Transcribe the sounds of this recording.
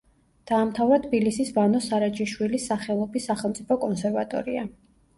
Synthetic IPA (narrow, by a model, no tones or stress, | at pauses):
d̪̥aːmt̪ʰavɾat̪ʰbilisisvanɔsaɾat͡ʃʼiʃwilisːaχɛlˠɔbisːaχɛlˠt̪sʼipʰɔkʼɔnsɛɾvat̪ʼɔ̰ɾia